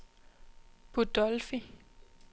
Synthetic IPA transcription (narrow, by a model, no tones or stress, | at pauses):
b̥ud̥ɔlfi